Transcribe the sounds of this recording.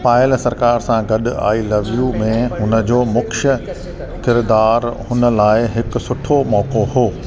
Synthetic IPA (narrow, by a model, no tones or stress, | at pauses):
paːɪlsɐɾkaːɾsãɡɐɗʊa̰ːilɐʋijũmẽɦʊnə̆d͡ʑoːmʊkʃə | kɪɾd̪aːɾhʊnə̆laːɪɦɪk̆sʊʈʰomɔːkoɦoː